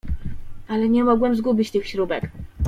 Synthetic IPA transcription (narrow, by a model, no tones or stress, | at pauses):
alɛɲɛmɔɡwɛmzɡubʲit͡ɕt̪ɘxɕɾubɛk